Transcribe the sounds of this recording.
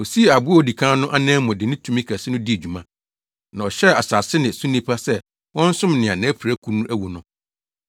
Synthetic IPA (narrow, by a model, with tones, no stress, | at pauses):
o˨si˦e˨a˨bʊ˦ɔ˨di˨kʰã˦nʊ̃˦ʔa˦nɛ̃ː˦mɔ̃˨dɪ˨nɪ̃˦tʰũ˦mĩ˦kʰæ˨sɪ˦nʊ̃˦di˦e˨d͡ʑᶣu˨mã˦ | nã˨ɔ˨ɕɛ˦a˨sa˨sɪ˦nɪ̃˨sũ˦nĩ˦pʰa˦sɛ˦ | wɔ̃˦n̩˦sʊ̃˦mnɪ̃˨ã˨nã˨˦pɾæ˦kʰu˦nũ˦ʔæ˦wu˨nʊ̃˦